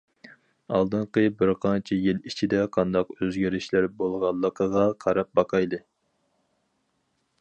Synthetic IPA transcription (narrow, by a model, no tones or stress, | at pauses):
ɑlˠd̪ɨɴqəbɪɾqʰɑnt͡ʃʰɛjilˠit͡ʃʰid̪ɛqʰɑnd̪ɑqøzɡʲæɾɪʃlæɾbolˠʁɑlˠːəqʰəʁɑqʰɑɾɑp̚bɑqʰɑjlˠɨ